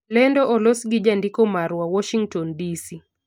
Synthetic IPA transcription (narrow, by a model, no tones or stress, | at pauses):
lɛndɔʔɔlɔsɡid͡ʒandikɔmaɾwawɔʃiŋɡtɔndisi